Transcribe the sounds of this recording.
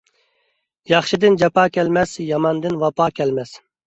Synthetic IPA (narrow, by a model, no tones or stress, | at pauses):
jɑχʃid̪ɪnd͡ʒɛpɑːkʲɛlmɛsjɑmɑnd̪ɨnwɑpɑːkʲʰɛlmɛs